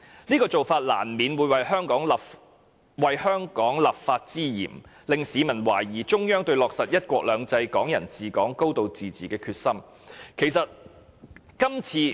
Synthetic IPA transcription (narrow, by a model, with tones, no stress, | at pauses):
niː˥kɔː˧t͡so˨wfaː˧t̚la̰ː˨˩nmiː˨˧nwuː˨˧jwɐ˨jɦœː˥ŋkɔː˨˥ŋ | wɐ˨˩jhœː˥ŋkɔː˨˥ŋlaː˨p̚faː˧t̚t͡siː˥jḭː˨˩mlɪ˨ŋsiː˨˧mɐ˨˩nwa̰ː˨˩jiː˨˩t͡ʃʊ˥ŋjœː˥ŋt̪ɵ˧ɥlɔː˨k̚sɐ˨t̚jɐ˥t̚kʷɔː˧k̚lœː˨˧ŋt͡sɐ˧jkɔː˨˥ŋjɐ̰˨˩nt͡siː˨˩kɔː˨˥ŋko˥wt̪o˨˧wt͡siː˨t͡siː˨kɛː˧kʰyː˧t̚sɐ˥m | kʰe˨˩jsɐ˨t̚ | kɐ˥mt͡sʰiː˧